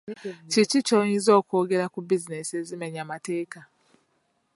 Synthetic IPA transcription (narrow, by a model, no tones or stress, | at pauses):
t͡ʃit͡ʃit͡ʃoizo̞ːko̞ːɡe̞ɾakubizinesiezimeɲamate̞ːka